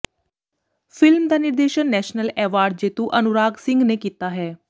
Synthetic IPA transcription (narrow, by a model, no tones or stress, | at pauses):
fʰɪlmd̪aːnɪɾd̪eːʃənːɛːʃnəlɛːʋaːɾɖ̚d͡ʒeːt̪uʔənʊɾaːɡsɪ̃ŋɡneːkiːt̪aːɦɛː